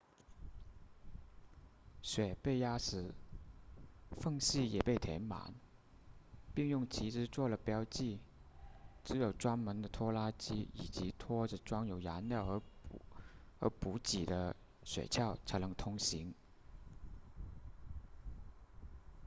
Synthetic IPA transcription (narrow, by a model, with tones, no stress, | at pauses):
ɕɥɛ˨˩pe˥˩ɪja˥ʂɻ̩˧˥ | fɤ˥˧ŋɕi˥˩jɛ˨˩pe˥˩ɪt̪ʰjɛ̰˧˥nma̰˧˥˦n | pi˥˧ŋjʊ˥˩ŋt͡ɕʰi˧˥ʈ͡ʂɻ̩˥t͡swɔ˥˩lə˩pjɑ˥ʊt͡ɕi˥˩ | ʈ͡ʂɻ̩˧˥jo˨˩ʊʈ͡ʂwa˥nmə˧˥nd̪ə˧t̪ʰwɔ˥la˥t͡ɕi˥i˨˩t͡ɕi˧˥t̪ʰwɔ˥ʈ͡ʂ̩˨˩ʈ͡ʂwɑ˥ŋjo˨˩ʊja˧˥nljɑ˥˩ʊɤ˧˥ | ə̰˧˥pu˧˥t͡ɕi˨˩d̪ə˦ | ɕɥɛ̰˨˩t͡ɕʰjɑ˥˩ʊt͡sʰa˧˥ɪnɤ˧˥ŋt̪ʰʊ˥ŋɕi˧˥ŋ